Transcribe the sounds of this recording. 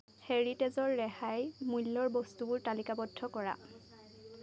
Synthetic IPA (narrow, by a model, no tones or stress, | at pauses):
heɹitezɔɹːɛhajmulːɔɹbɔstubʊɹtalikabɔdʱːɔkɔɹa̰